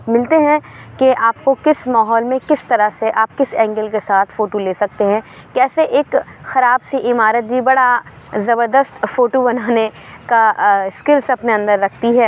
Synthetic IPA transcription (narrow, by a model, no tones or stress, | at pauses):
mɪlt̪eɦɛ̃keʔaːpkokɪsmaːɦɔːlmẽkɪst̪ɐɾəseʔaːp̚kɪsɛ̃ːŋɡəlkesaːt̪ʰfoːʈoleːsɐk̚t̪eɦɛ̃kɛːseʔeːkxɐɾaːbsiʔɪmaːɾət̪̚d͡ʒʱibɐɽa | zɐbəɾd̪əst̪foːʈobɐnaːnekaskɪɾsɐpneɐ̃nd̪əɾːɐkʰt̪iɦɛː